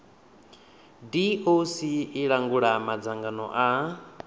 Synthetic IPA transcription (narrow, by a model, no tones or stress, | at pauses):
diʔosiːɺaŋɡuɺamad͡zaŋɡanɔ̰ʔa